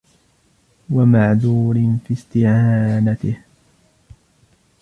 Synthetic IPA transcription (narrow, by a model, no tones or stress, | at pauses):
wamaʕðuːɾɪnfiːst̪ɪʕaːnat̪ɪh